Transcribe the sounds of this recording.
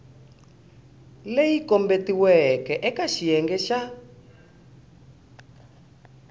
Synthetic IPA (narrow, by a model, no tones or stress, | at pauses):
lejikɔmbetiwɛkɛʔɛkaʃijɛŋɡɛʃa